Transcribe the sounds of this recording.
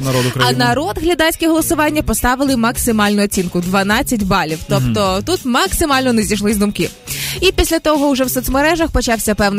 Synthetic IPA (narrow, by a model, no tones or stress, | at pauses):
nɐɾɔd̪ʊkɾɐɐnɐɾɔd̪ɦlʲɐd̪ɑsʲkʲɛɦɔlˠɔsʊʋɑnʲːɐpɔst̪ɑʋɪlˠɪmɐksɪmɑlʲnʊɔt͡sʲinkʊd̪ʋɐnɑt͡sʲːɐtʲbɑlʲiwt̪ɔpt̪ɔt̪ut̪mɐksɪmɑlʲnɔnɛzʲijʃlˠɪzd̪ʊmkɪ | ipʲisʲlʲɐt̪ɔɦɔwʒɛwsɔt̪smɔɾɛʒɐxpɔt͡ʃɑwsʲɐpɛwn